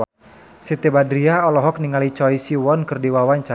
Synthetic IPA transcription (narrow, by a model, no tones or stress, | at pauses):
sit̪ebadɾiaɔlɔɦɔk̚niŋalit͡ʃɔisiwɔnkɨrdiwawaɲt͡ʃa